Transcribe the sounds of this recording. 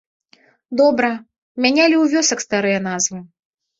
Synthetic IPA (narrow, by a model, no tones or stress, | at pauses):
d̪ɔbɾɐ | mʲanʲalʲiuwvʲɔsɐkst̪aɾɨjɐn̪azvɨ